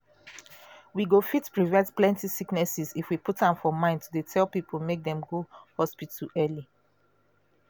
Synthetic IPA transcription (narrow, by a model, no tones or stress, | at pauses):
wiɡofitpɹivɛ̃ntplɛ̃ntisiknɛsizifwiputãmfɔmãɪ̃ntʰudetʰɛlpipʰol̩mek̚dɛ̃mɡohɔspituʔɛli